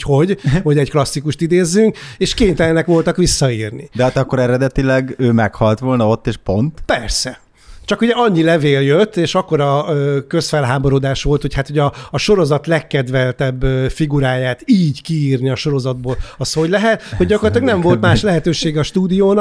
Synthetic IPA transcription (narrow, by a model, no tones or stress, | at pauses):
ho̞ɟho̞ɟɛɟklɒsːikuʃt̪id̪eːzːyŋkeːʃkeːɲt̪ɛlɛnɛkʋo̞lt̪ɒkʋisːɒiːrnḭd̪ɛɦaːt̪ɒkːoɾɛɾɛd̪ɛt̪ilɛɡøːmɛkhɒlt̪ʋo̞lnɒo̞t̪ːeːʃpont̪pɛrsɛ | t͡ʃɒkuɟɛɒɲːilɛveːljøt̪ːeːʃɒkːo̞ɾɒøːkø̞sfɛlɦaːbo̞ɾoːd̪aːʃʋo̞lt̪ho̞chat̪hoɟɒːʃo̞ɾo̞zɒt̪lɛkːɛd̪ʋɛlt̪ɛbːøfiɡuɾaːjaːt̪iːɟkiiːrniɒʃo̞ɾo̞zɒd̪̚boːlɒsho̞ɟlɛɦɛt̪ho̞ɟɟːɒkorɑt̪lɑɡnɛɱo̞lt̪maːʃlɛɦɛt̪øːʃeːɡɛɒʃt̪uːd̪ijoːnɒ